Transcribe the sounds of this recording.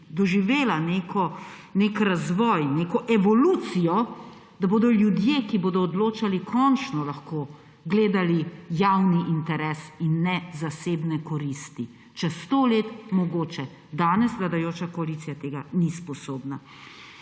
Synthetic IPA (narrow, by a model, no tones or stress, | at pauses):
d̪ɔʒiʋeːlanekʰɔnekɾazʋɔːjneːkɔʔɛʋɔluːt̪sijɔ | d̪aboːd̪ɔljud̪jekiboːd̪ɔːd̪loːt͡ʃalikʰɔnt͡ʃnɔlaxkoː | ɡleːd̪alijawniʔint̪ɛɾɛsinːɛzaseːbnɛkɔɾist̪i | t͡ʃɛst̪oːleːt̪mɔɡoːt͡ʃɛ | d̪aːnɛsʋlad̪ajoːt͡ʃakɔalit̪sijat̪eːɡanispɔsoːbna